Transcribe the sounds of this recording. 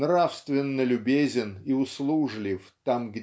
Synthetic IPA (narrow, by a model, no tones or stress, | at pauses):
nrafst̪vʲɪnːəlʲʊbʲezʲɪniʊslˠuʐlʲɪft̪amɡʲ